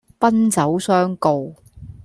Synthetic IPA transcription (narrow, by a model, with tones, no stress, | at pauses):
pɐ˥nt͡sɐ˨˥wsœː˥ŋko˨w